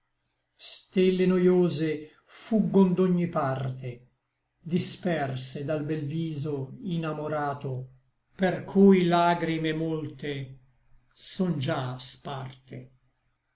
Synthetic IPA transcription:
st̪elːenojoːze | fuɡːond̪oɲːipart̪e | d̪ispɛrsed̪albɛlviːzoinamoɾaːt̪o | perkʰujlaːɡɾimemolt̪e | sɔnd͡ʒaspart̪ʰe

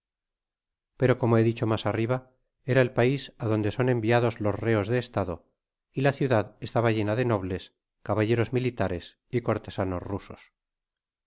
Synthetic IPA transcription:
pe̞ɾoko̞moe̞ðit͡ʃo̞masariβ̞a | e̞ɾae̞lpaisaðo̞nd̪e̞so̞nẽ̞mbiaðo̞zlo̞zre̞o̞zðe̞ːst̪aðo | ilaθjuðaðest̪aβaʝe̞naðe̞no̞β̞le̞s | kaβaʝe̞ɾo̞zmilit̪aɾe̞s | iko̞ɾt̪e̞sano̞̰zruso̞̥s

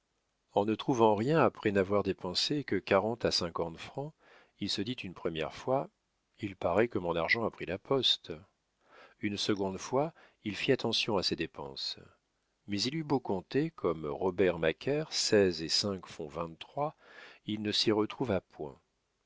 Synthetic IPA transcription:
ɑ̃nət̪χuvɑ̃ʁjɛ̃apχɛnavwaʁd̪epɑ̃sekəkaʁɑ̃t̪asɛ̃kɑ̃t̪fχɑ̃ | ilsəd̪it̪ynpχəmjɛ̰ʁfwa | ilpaʁɛkəmɔ̃naʁʒɑ̃apχilapɔst̪ | ynsəɡɔ̃d̪fwa | ilfiat̪ɑ̃sjɔ̃ased̪epɑ̰̃s | mɛzilybokɔ̃t̪ekʰɔmʁɔbɛʁmakʲʰɛʁsɛzesɛ̃kfɔ̃vɛ̃ːχwailnəsiʁət̪χuvapwɛ̰̃

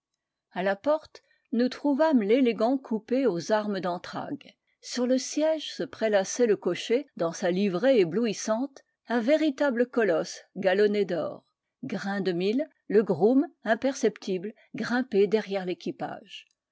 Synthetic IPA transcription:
alapɔʁt̪ | nut̪χuvamleleɡɑ̃kʰupeozaʁməd̪ɑ̃t̪χa̰ɡ | syʁləsjɛʒsəpχelasɛləkɔʃed̪ɑ̃salivʁeebluisɑ̃t̪ | ɛ̃veʁit̪abləkɔlɔsɡalɔned̪ɔ̰ːʁ | ɡʁɛ̃d̪əmilː | əɡʁumɛ̃pɛʁsɛpt̪ʰibl | ɡʁɛ̃ped̪ɛʁjɛʁlekʲipa̰ʒ

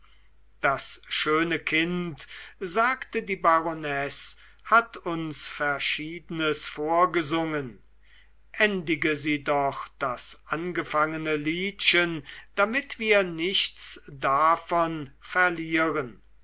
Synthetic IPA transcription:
d̥asʃøːnəkʰɪntzaːktədiːbaʁonɛs | hatʰʊnsfɛɐʃiːdənəsfoːɐɡəzʊŋən | ʔɛndɪɡəziːdɔχd̥asʔanɡəfaŋənəliːtʃənd̥amɪtv̥iːɐnɪʃtsdafɔnfɛɐliːʁən

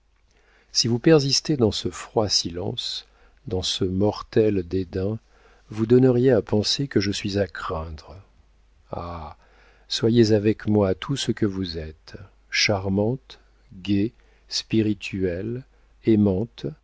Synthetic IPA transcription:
sivupɛʁzist̪ed̪ɑ̃səfχwasilɑ̰̃s | d̪ɑ̃səmɔʁt̪ɛld̪ed̪ɛ̃ | vud̪ɔnəʁjeapɑ̃sekəʒəsɥizakχɛ̃d̪ʁ | a̰ | swajezavɛkmwat̪ʰusəkəvuzɛt̪ | ʃaʁmɑ̃t̪ | ɡʲe | spiʁit̪ʰyɛl | emɑ̃t̪

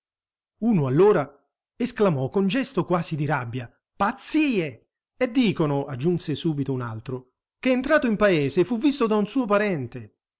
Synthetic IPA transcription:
uːnoalːoːɾa | esklamɔkond͡ʒɛst̪okwaːzid̪iɾabːja | pat̪siːe | ed̪ːiːkonʊad͡ʒːunsesuːbit̪ouna̰lt̪ɾo | keːnt̪ɾaːt̪oimpaeːsefuvːist̪od̪aunsuːopaɾɛnt̪e

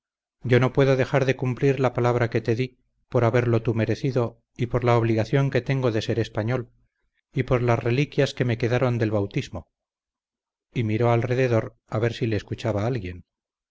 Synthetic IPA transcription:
ɟ͡ʝo̞no̞pwe̞ðo̞ðe̞xaɾðe̞kumpliɾlapalaβɾake̞t̪e̞ði | po̞ɾaβe̞ɾlo̞t̪ume̞ɾe̞θiðo̞ | ipo̞ɾlaoβliɣaθjo̞ŋke̞t̪e̞ŋɡo̞ðe̞se̞ɾe̞spaɲo̞l | ipo̞ɾlazre̞likjaske̞me̞ke̞ðaɾo̞nd̪e̞lβawt̪izmo̞ | imiɾo̞alre̞ðe̞ðo̞ɾ | aβe̞ɾsile̞ːskut͡ʃaβaalɣje̞n

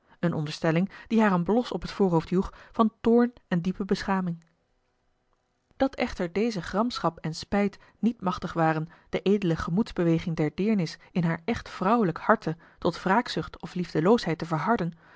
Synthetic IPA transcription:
ənʔɔndəɹstɛlɪŋd̥iɦaːrənblɔsɔpɦətfʊːɹrɦowftɦjuχfɑntʊːɹnɛndipəbəsχaːmɪŋ | d̥ɑtɛχtəɹdejzəχrɑmsχɑpɛnspɛjt | nitmɑχtəχʋaːrənd̥əʔejdələχəmudzbəʋejχɪŋdɛɹdɪːɹnɪsɪnɦaːɹʔɛχtfrʌwələkhɑɹtə | tɔtfraːksʏχtɔflivdəlowsɦɛjtəvəɹɦɑɹdən

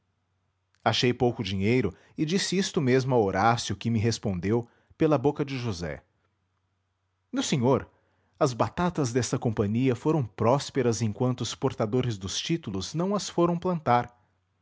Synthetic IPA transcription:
aʃejpowkʊd͡ʒiɲejɾʊ | ɪd͡ʒisɪist̪ʊmezmʊawoɾasjʊkɪmɪɦespõnd̪ew | pelɐbokɐd͡ʒɪʒuzɛ̰ | nʊsẽɲoɾ | ɐzbat̪at̪ɐzd̪ɛst̪ɐkõmpɐ̃ɲiɐfoɾɐ̃w̃pɾɔspeɾɐzẽj̃kwɐ̃nt̪ʊʊspoɾt̪ad̪oɾɪzd̪ʊst͡ʃit̪ulʊznɐ̃w̃ɐsfoɾɐ̃w̃plɐ̃nt̪aɾ

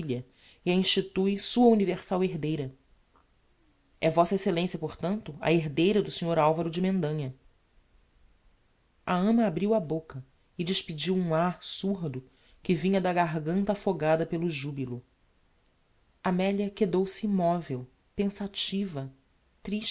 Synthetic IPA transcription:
ilɐ | ɪɐĩʃt͡ʃit̪ujsuɐuniveɾsaweɦd̪ejɾɐ | ɛvɔsɐeselẽsjɐpoɾt̪ɐ̃nt̪ʊɐ̰eɦd̪ejɾɐd̪ʊseɲoɾawvɐɾʊd͡ʒɪmẽnd̪ɐ̃ɲɐ | ɐɐ̃mɐːbɾiwɐbokɐ | ɪd͡ʒɪʃpid͡ʒiwũaɾsuɾd̪ʊ | kɪvĩɲɐd̪ɐɡaɦɡɐ̃nt̪ɐːfoɡad̪ɐpelʊʒubilʊ | amɛljɐked̪owsɪimɔvew | pẽsat͡ʃivɐ | t̪ɾiʃ

